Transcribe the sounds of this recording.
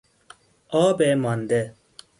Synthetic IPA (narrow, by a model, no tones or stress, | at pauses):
aːbeːmɐnd̪e